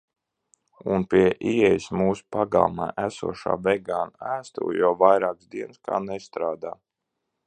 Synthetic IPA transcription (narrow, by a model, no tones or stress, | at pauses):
unpʲiɛʔiɛjsmuːsu̥paɡa̰lˠma̰ːʔæsṵɔʃa̰ːvɛɡaːnæːst̪ṵːjɔvajɾaːksd̪iɛnskʰa̰ːnɛst̪ɾaːd̪aː